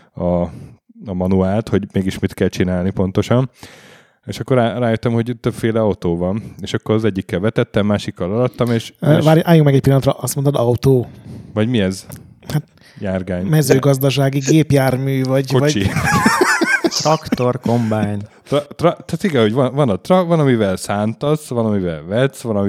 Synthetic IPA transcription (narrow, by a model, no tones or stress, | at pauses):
ɒ | ɒmɒnuaːlt̪ho̞ɟmeːɡiʃmit̪kɛlt͡ʃinaːlnipo̞nt̪o̞ʃɒn | eːʃɒkːoɾaːraːjøt̪ːɛmho̞ɟt̪øbfeːlɛɒwt̪oːvɒneːʃɒkːoɾɒzɛɟːikːɛlvɛt̪ɛt̪ːɛmːaːʃikːɒlɒd̪ɒt̪ːɒmeːʃaːɾʔaːjukmɛɡɛc̚pilːɒnt̪rɾɒʔɒst̪mont̪ɔd̪ɒwt̪oːvɒɟmiɛz | hat̪ | jaːrɡaːɲmɛzøːɡɒzd̪ɒʃ̬aːɡiɡeːpjaːrmyːvɒɟkovɒt͡ʃi | sɒkt̪o̞rko̞mbaːɲ | t̪rt̪rɒt̪ɛt̪iɡɛho̞ɟvɒnvɒnɒt̪rɒvɒnɒmivɛlsaːnt̪ɒsʋɒnɒmivɛ̰lvɛt̪sʋɒnɒmi